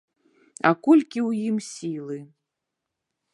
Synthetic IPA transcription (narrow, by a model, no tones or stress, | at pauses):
akɔlʲkʲiwjimsʲilˠɨ